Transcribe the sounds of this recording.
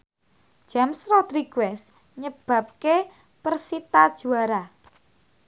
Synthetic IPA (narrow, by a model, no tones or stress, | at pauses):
ʒ̥amsrɔt̪ɾiɡuɛs | ɲəb̥ä̤p̚ke | pərsit̪ad̥ʒ̥ṳaɾa